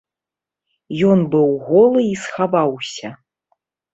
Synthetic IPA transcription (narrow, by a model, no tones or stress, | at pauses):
jɔnbɨwɣɔlˠɨisxavawsʲɐ